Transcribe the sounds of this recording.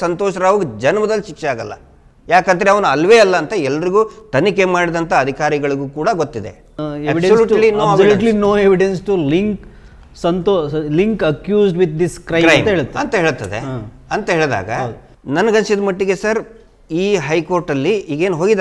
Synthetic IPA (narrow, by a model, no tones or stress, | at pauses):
sɐnt̪oːʃɐɾaːʋɐɡud͡ʒɐnmɐd̪ɐlːiʃikt͡ʃaːɡɐlːɐ̰ | jaːkɐnd̪ɐɾeɐʋɐnuɐlːʋeːɐlːɐːnt̪ɐɛlːɐɾiɡuːt̪ɐnikemaːɽid̪ɐnt̪ʰɐːd̪ʱikaːɾiɡɐɭuɡuːkuːɽɐɡot̪ːid̪e̞̰ | eːʋiɖsoluːlinoːeʋsɐluːnʈlinoːeʋiɖensʈuliŋk | sɐnt̪oːliŋkɐkjuːzɖʋit̪̚d̪iskɾɐkɾɐjmt̪ɐeːɭt̪ɐɐnt̪ɐɦeːɭt̪ːɐd̪ḛ | ɐnt̪ɐɦe̞ːɭd̪a̰ːɡɐ | nɐnːɐɡɐnt͡ʃid̪mɐʈːiɡe̞sɐɾ | iːɦɐjko̞ːɾʈɐlːiːɡeːnɦo̞ːɡid̪